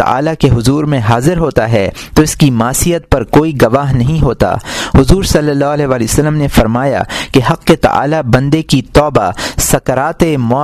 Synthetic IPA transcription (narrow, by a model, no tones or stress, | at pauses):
ɐ̰a̰ːlakeɦʊzuːɾmẽɦaːzɪɾɦoːt̪aɦɛt̪oɪskimaːsijət̪̚pɐɾkoːiɡɐʋaːɦnɐɦĩɦoːt̪a̰ːhʊzuːɾsɐlːəlːaːɦəlɛːɦʋaːliosɐlːəmnefɐɾmaːja̰keɦɐqːet̪ɐ̰ʔa̰ːlabɐ̃nd̪ekit̪ɔːba̰sɐkɾaːt̪emɔː